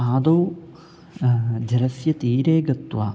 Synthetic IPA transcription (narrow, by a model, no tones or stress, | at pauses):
aːd̪ɐw | d͡ʑɐɾɐsjɐt̪iːɾeːɡɐt̪ːʋaː